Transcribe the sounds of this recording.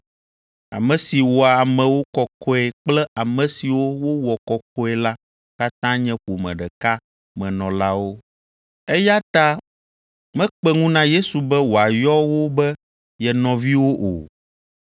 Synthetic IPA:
a̰˨mɛ̃˨si˨wɔ˨a˨mɛ̃˨wo˦kɔ˨kʰɔ˦ɛ˨k͡plɛ˦ʔa˨mɛ̃˨si˨wo˦wo˦wɔ˨kɔ˨kɔ˦ɛ˦la˦ | ka˦t̪ã˦ɲɛ̃˦ɸo˨mɛ̰̃˨ɖɛ˨ka˦ | mɛ̃˨nɔ̃˨la˦wo˦ | ɛ˦ja˦t̪a˦ | mɛ̃˦k͡pɛ˦ŋũ˦nã˦je˦su˨bɛ˦wo˨a˨jɔ˦wo˦bɛ˦ | jɛ˨nɔ̃˨vi˦wo˦ʔo̰˨

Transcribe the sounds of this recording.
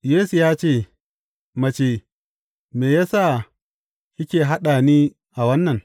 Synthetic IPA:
jeː˦su˨jaː˦t͡ʃeː˦˨ | mɐ˨t͡ʃeː˨ | meː˨jaː˦sa˦˨ | jɪ˦kʲeː˨ɦa˦ɗaː˨niː˦ | ʔa˨wɐ˦nːɐ˨n

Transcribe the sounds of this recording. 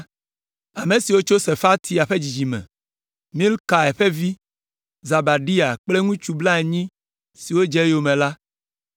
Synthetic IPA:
a˨mẽ˨si˨wo˦t͡ʃo˦se˨fa˦t̪ʰi˦a˨ɸe˦d͡ʑi˨d͡ʒi˨mɛ̰̃˨ | mĩ˦lka˨ɛ˨ɸe˦vi˦ | za˨ba˨ɖi˦a˨k͡ple˦ŋũ˦t͡ʃu˨bla˦e˨ɲĩ˦ | si˨wo˦d͡ʒe˦jo˨mẽ˨la˦

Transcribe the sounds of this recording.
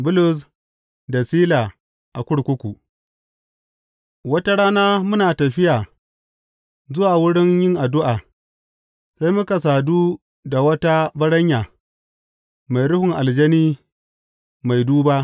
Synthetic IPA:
bʊ˦lʊ˨s̬ | da˨siː˦laː˨ | ʔa˨kʷʊ˦ɽkʷʊ˦kʷu˨ | wɐ˦ta˦ɽaː˦naː˦mʊ˦naː˨tɐ˨ɸɪ˦jaː˨ | zʊ˦waː˨wʊ˦ɽɪ˦ɲjɪ˦ŋʔa˨dʊ˦ʔaː˨ | sa˦jmʊ˦ka˨s̬aː˨duː˦ | da˨wɐ˦ta˦bɐ˦ɽɐ˦ɲjaː˨ | ma˨jɽʊ˦hʊ˨ŋʔa˨ld͡ʒɛ˦niː˦ | ma˨jduː˦baː˦ʔ

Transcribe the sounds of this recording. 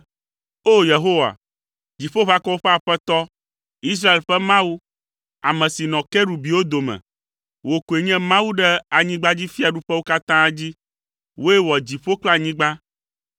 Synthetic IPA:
o˦˨je˨ɦo˦wa̰˨ | d͡ʑi˨ɸo˦βa˦kɔ˦wo˦ɸɛ˦a˨ɸɛ˦t̪ɔ˦ | i˦s̬ɾa˦e˨lɸɛ˦mã˦wu˦ | a˨mɛ̃˨si˨nɔ̃˨kɛ˦ɖu˨bi˨wo˦d̪o˨mɛ̰̃˨ | wo˨ku˨e˨ɲɛ̃˦mã˦wu˦ɖɛ˦a˨ɲĩ˦ɡ͡ba˦d͡ʑi˦fi˦a˨ɖu˦ɸɛ˦wo˦ka˦t̪ã˦d͡ʑi˦ | wo˦e˦wɔ˨d͡ʑi˨ɸo˦k͡pla˨ɲĩ˦ɡ͡ba˦

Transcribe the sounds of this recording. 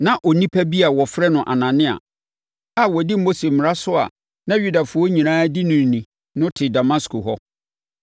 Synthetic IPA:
nã˨ʔɔ˨nĩ˦pʰæ˦bi˦a˨wɔ˨fɾɛ˦nʊ̃˨ʔa˨nã˨nɪ̃˦a̰˨ | a˨wɔ˨di˦o˦se˨mɪ̃˨ɾa˦sʊ˦a̰˨ | nã˦ɥu˦da˨fʊ˦ɔ˦ɲĩ˨nãː˦di˦nʊ̃˨n˨nĩ˨ | nʊ̃˦tʰɪ˨da˨mã˦skʰʊ˨ɦɔ˦

